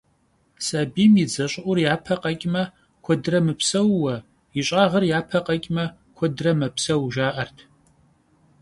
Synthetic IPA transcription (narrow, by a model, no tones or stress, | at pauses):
saːbiːmid͡zɐɕʼʊʔʷʊrjaːpʰɐqʼɐkʲʼmɐ | kʷʰɔdɨrɐmɨpʰsɐwːɐ | iɕʼaːʁɐrjaːpʰɐqʼɐkʲʼmɐ | kʷʰɔdrɐmɐpʰsɐwʒaːʔɐrtʰ